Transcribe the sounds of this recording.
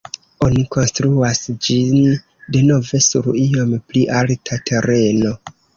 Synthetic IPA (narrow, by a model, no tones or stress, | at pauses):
o̞niko̞nstɾuasd͡ʒin | deno̞ve̞sṵɾio̞mpliʔaltʰatʰe̞ɾʔe̞no̞